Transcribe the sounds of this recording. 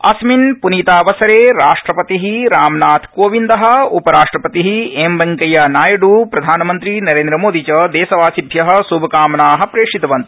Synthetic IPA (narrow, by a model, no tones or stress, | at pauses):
ɐ̰sminpuniːt̪aːʋɐsɐɾeːɾaːʂʈɾɐpɐt̪iɦiɾaːmnaːt̪ʰkoːʋind̪ɐɦɐ̆upɐɾaːʂʈɾɐpɐt̪iɦiembɐŋkɐjɐnaːjɐɖuːpɾɐd̪ʱaːnɐmɐnt̪ɾinɐɾeːnd̪ɾɐmoːd̪ʱit͡ʃɐd̪eːsɐʋaːsib̪ʱjɐɦɐ̆subʱɐkaːmnaːɦɐ̆pɾeːʂit̪ɐʋɐnt̪